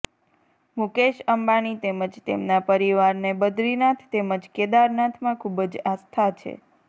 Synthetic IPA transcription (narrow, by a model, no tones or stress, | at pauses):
mukeʃəmbañit̪eməd͡ʒt̪ḛmnapəɾiʋaɾnebəd̪ɾinat̪ʰt̪eməd͡ʒked̪aɾnat̪ʰmãkʰubəd͡ʒast̪ʰat͡ʃʰḛ